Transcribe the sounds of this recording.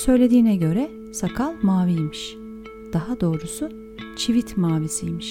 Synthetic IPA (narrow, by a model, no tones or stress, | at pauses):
sø̞jlʲe̞d̪iːnɛɟø̞ɾɛ | sakʰalˠmaːvijmiʃ | d̪̥aɦad̪o̞ːɾusu | t͡ʃʰivit̪ʰmaːvisijmiʃ